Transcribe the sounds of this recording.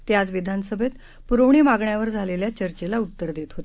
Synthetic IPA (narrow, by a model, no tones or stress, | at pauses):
t̪jad͡zʋid̪ʱansəbʱet̪ | puɾoɳ̃iːmaɡɳjaʋəɾd͡zʱaleljat͡ɕəɾt͡ɕelaut̪ːəɾd̪et̪ɦot̪